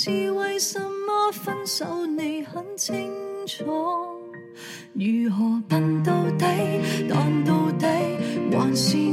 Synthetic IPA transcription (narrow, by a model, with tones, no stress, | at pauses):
t͡sʰiː˨˧wɐ˨jsɐ˧mːɔː˥fɐ˧nsɐ˨˧˥wne˨˧jhɐ˨˥nt͡sʰɪ˥ŋt͡sʰɔː˨˥ | jyː˨˩ɦɔː˨˩pɐ˧nt̪o˧wt̪e˨˥jt̪ɔː˨˧ŋt̪o˧wt̪e˨˧˥jwaː˨˩nsiː˧